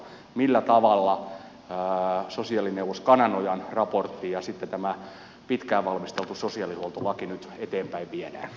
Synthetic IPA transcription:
milːæt̪ɑʋɑlːɑ | sosiɑlineuʋost̪kɑnɑnojɑnrɑport̪ːijɑsit̪ːet̪æmæ | pit̪kæːʋʋɑlmist̪elt̪usosiɑlihuolt̪olɑkinyt̪et̪eːmpæiʋʋiedæ̰ːn

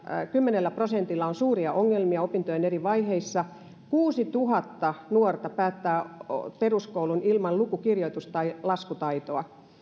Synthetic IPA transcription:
kymːenelːæprosent̪ilːɑonsuːriɑʔoŋːelmiɑopint̪ojeneriʋɑiheisːɑ | kuːsit̪uɦɑt̪ːɑnuort̪ɑpæːt̪ːæːt̪eruskoulunilmɑllukukirjoit̪ust̪ɑilɑskut̪ɑit̪oɑ

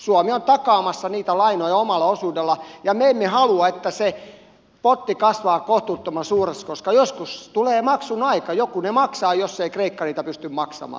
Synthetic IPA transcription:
suɑmiont̪ɑkɑːmɑsːɑniːt̪ælɑinojɑomɑlːˑɑosuːdelːɑjɑmeemːehɑluɑet̪ːæse | pot̪ːikɑsʋɑːkoht̪ut̪ːomɑsuːreskoskɑjoskust̪uleːmɑksunɑikɑjokunemɑksɑːjosːeikreikːɑniːt̪æpyst̪ymmɑksɑ̰mɑ̰ː

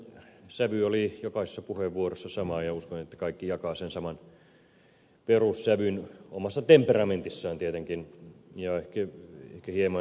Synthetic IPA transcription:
sæʋyolijokɑise̥sːɑpuheʋːuorosːɑsɑmɑːjɑuskonet̪ːæ̥kɑikːijɑkɑːsensɑmɑn | perussæʋyno̰mɑsːɑt̪emperɑment̪isːæːnt̪iet̪eŋkinjɑehkæḛhkæhiemɑ

